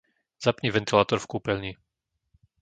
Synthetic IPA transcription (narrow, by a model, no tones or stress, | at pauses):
zapɲɛvɛnt̪ilaːt̪ɔɾfkuːpɛlɲi